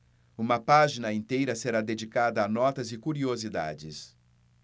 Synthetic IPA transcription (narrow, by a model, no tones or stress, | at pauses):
ũmɐpaʒinɐĩnt̪ejɾɐseɾad̪ed͡ʒikad̪ɐːnɔt̪ɐzɪkuɾiozid̪a̰d͡ʒɪs